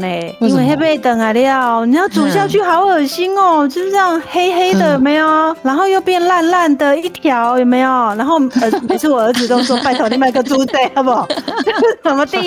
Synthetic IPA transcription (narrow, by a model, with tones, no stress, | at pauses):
e˨˩in˥nwe˥˧ɦe˥ɪpe˥˩ɪt̪ə˨˩ŋa˨˩ɪlə˧ja˥˩ni˨˩jɑ˥˩ʊt͡su˨˩ɕjɑ˥˧ʊt͡ɕʰy˥˩xɑ˧˥ʊə˨˩ɕi˥nɔ˨˩t͡ɕjo˥˧ʊʂ̩˥˩˥jɑ˥˩ŋhe˥ɪxe˥ɪd̪ə˨jo˨˩me˧˥ɪjɔ˨˩na˧˥nxo˥˧ʊjo˥˧ʊpjɛ˥˧nla˥˧nla˥˩nd̪ə˨i˥˩t̪ʰjɑ˧˥ʊjo˨˩me˧˥jo˨˩na˧˥nxo˥˩ʊə˧˩pi˨˩ʂ̩ʰ˥˩wɔ˨˩ə˧˥t͡sɹ̩˨˩t̪ɔ˥ŋt͡swɔ˥pa˥˧ɪt̪ʰo˨˩ʊɾi˥˩ma˥˩˨ɡə˧t͡su˥t͡se˥˩ɪa˧bɔ˨˩˥ | sə˨˩mə˧t̪i˥˩˧